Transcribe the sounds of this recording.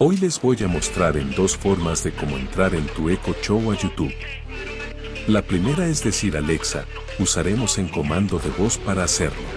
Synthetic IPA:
o̞jle̞zbo̞ʝamo̞st̪ɾaɾe̞nd̪o̞sfo̞ɾmazðe̞ko̞mo̞e̞̰nt̪ɾaɾe̞nt̪ue̞ko̞t͡ʃowaʝut̪uβ | lapɾime̞ɾae̞zðe̞siɾale̞ksa̰ | usaɾe̞mo̞se̞ŋko̞mãnd̪o̞ðe̞βo̞spaɾaːse̞̰ɾlo

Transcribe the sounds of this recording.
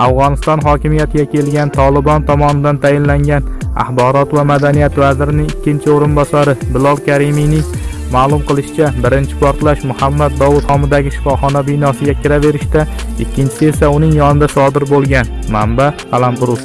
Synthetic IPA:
afʁɒnɪst̪ɒnɦɒkʲɪmijat̪ʰɪɡʲakʲʰe̞lɡʲant̪ʰɒlˠɪbɒnt̪ʰɒmɒnɪd̪ant̪ʰajɪnlaŋɡʲana̰hbɒɾɒt̪vamad̪anijat̪vazɪɾɪnɪŋɪkʲʰːɪnt͡ʃʰɪoɾɪnbɒsaɾɪbɪlˠɒlˠkʲʰaɾɪmijnɪŋmaːlˠʊmqʰɨlˠɪʃɪ̥t͡ʃʰabɪɾɪnt͡ʃʰɪ̥pʰɒɾt̪laʃmʊhamːad̪ːɒwʊt̪hɒmɪd̪aɡʲɪʃɪ̥fɒχɒnabɪnɒsɪɡʲakʲʰɪɾave̞ɾɪʃt̪aɪkʲːɪnt͡ʃʰɪe̞saʊnɪŋjɒnɪd̪asɒd̪ɪɾbolˠɡʲanmambapʰalˠampʊɾʊs

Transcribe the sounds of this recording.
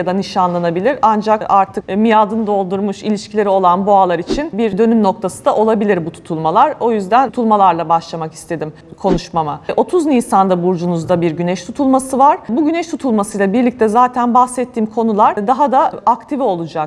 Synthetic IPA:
ad̪aniʃanlˠanabilʲiɾand͡ʒakaɾt̪ʰɯkmijaːd̪ɯnɯd̪o̞lˠd̪uɾmuʃilʲiʃcʰilʲe̞ɾio̞lˠanboalˠaɾit͡ʃʰinbiɾd̪ø̞nymno̞k̚t̪ʰasɯnd̪aʔo̞lˠabilʲiɾbut̪ʰu̥t̪ʰulˠmalˠaɾo̞jyzd̪ænt̪ʰulˠmalˠaɾlˠabaʃlˠamakist̪ʰe̞d̪im | kʰo̞nuʃmamaʔo̞t̪ʰuzniːsand̪abuɾd͡ʒunuzd̪abiɾɟynɛʃt̪ʰut̪ʰulˠmasɯvaɾ̥buɟynɛʃt̪ʰut̪ʰulˠmasɯjlˠabiɾlʲic̚t̪ʰɛzaːt̪ʰænbaxsɛt̪ʰːiːmkʰo̞nulˠaɾ̥d̪aɦad̪aakt̪ʰivio̞lˠud͡ʒak

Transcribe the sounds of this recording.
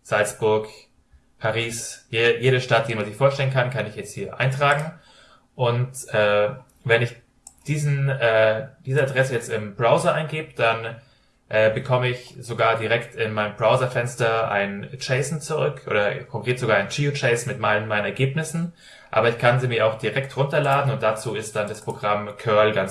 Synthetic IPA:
z̥alt͡sb̥ʊɐk | pʰaʁiːsjejeːɾəʃtat̚d̥iːmanzɪçfoːɐʃtɛlənkʰankʰanɪçjɛt͡sthiːɐʔa̰ɪntʁ̥aːɡŋ̩ | ʔʊntʔɛː | vɛnɪç | d̥iːzn̩ɛːd̥iːzəadʁɛsəjɛt͡stɪmbʁaʊzɐʔaɪnɡeːbəd̥an | ʔɛːbəkʰɔməɪçz̥oɡaːɐdiʁɛktɪnmaɪnəmbʁaʊzɐfɛnstɐʔa̰ɪnt͡ʃɛɪsn̩t͡suʁʏkʔo̰ːɾɐkʰɔŋkʁ̥eːtz̥oɡaːɐaɪnt͡ʃiut͡ʃɛɪsnmɪtmaɪlənmaɪnənɛɐɡeːpnɪsn̩ | ʔa̰ːbɐɪçkʰanziːmɪɐaʊxd̥iʁɛktʁʊntɐlaːdn̩ʊntd̥at͡suːɪstd̥andaspʁ̥oɡʁamkʰœɐlɡant͡s

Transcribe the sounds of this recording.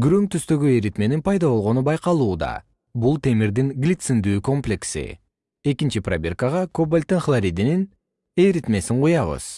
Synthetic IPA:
ɡyɾøŋk̚t̪yst̪ø̞ɡyejɾit̪me̞ninpʰɑjd̪ɑβo̞lˠʁo̞nubɑjqɑlˠuːd̪ɑ̰ | bulˠt̪e̞miɾd̪iŋɡlʲit̪sɨnd̪yːko̞mplʲe̞ksḭ | e̞kint͡ʃipra̰bʲe̞rkəʁɑkobalʲt̪ːinχlˠaɾʲid̪inin | e̞jɾit̪me̞siɴqʰujɑβɯ̰z̥

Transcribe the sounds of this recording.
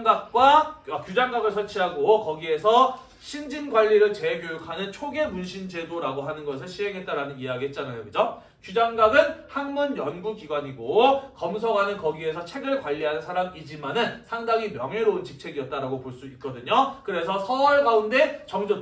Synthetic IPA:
ɡak̚k͈waakjud͡ʑaŋɡaɡɯɭsʰʌɭt͡ɕʰiɦaɡokʌɡie̞sʰʌ | ɕʰind͡ʑinɡwaʎːiɾɯɭt͡ɕe̞ɡjojukʰanɯnt͡ɕʰoɡe̞munɕʰind͡ʑe̞doɾaɡoɦanɯnɡʌs̬ʰɯɭɕʰiɦe̞ŋɦet̚t͈aɾanɯniaɡiɦe̞t̚t͡ɕ͈anajʌɡɯd͡ʑo | kjud͡ʑaŋɡaɡɯnhaŋmunjʌnɡukiɡwaɲiɡokʌmsʰʌɡanɯnkʌɡie̞sʰʌt͡ɕʰe̞ɡɯɭkwaʎːiɦanɯnsʰaɾamid͡ʑimanɯnsʰaŋdaŋimjʌŋɦeɾount͡ɕik̚t͡ɕʰe̞ɡiʌt̚t͈aɾaɡopoɭs͈uit̚k͈ʌdɯɲokɯɾe̞s̬ʰʌsʰʌɭɡaunde̞t͡ɕʌŋd͡ʑo

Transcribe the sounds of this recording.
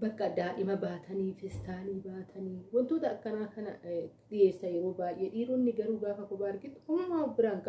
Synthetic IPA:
bɐkːɐd̪aːʔɪmɐbaːt̪ʰɐniːfɪst̪aːliːbaːt̪ʰɐniːwɔnt̪oːt̪ɐːkːɐnaːkɐnɐ̰ | ᶑɪjeːsɐjɛɾo̞ːbaːj̰ʔeːᶑiːɾunːɪɡɐɾuːɡaːfɐkɔbaːɾɡɪt̪ʊ̥hʊːaːbɪɾaːŋkɐ

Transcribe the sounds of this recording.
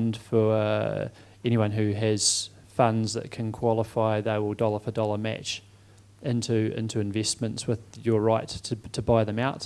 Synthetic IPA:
nd̥fə˞ʌ | ɛɾ̃iwʌ̃nɦʉɨz̥ | fʌ̃ndzðɨ̰t̚kʰɨ̃nkʰw̥ɑlˠəfaɪðeɪwəlˠdɒlˠə˞fədɒlˠə˞mæ̰t͡ʃ | ɪ̃ntʰʉɪ̰̃ntʰʉɨ̃ɱvɛsmə̃ntswɨðjə˞ɹaɪtʰɨtʰəbaɪðɨ̃maʊt

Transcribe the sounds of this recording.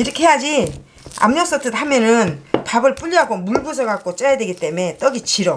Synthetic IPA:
iɾʌkʰeɦejad͡ʑi | a̰mɲos͈ʌtʰɯtɦamjʌnɯnpabɯɭp͈uʎːiɦaɡomuɭɡusʰʌɡak͈̚ot͡ɕ͈ʌjadweɡit͈e̞me̞t͈ʌɡit͡ɕiɾo

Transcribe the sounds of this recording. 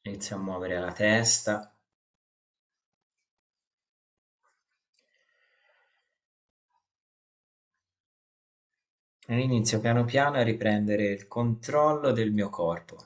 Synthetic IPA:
init̪sːjoamːwɔːveɾealat̪ɛst̪a | nelinit̪sːjopjaːnopjaːnoarːipɾɛnd̪eɾeilkʰont̪ɾɔlːod̪elmiːokʰɔrpo

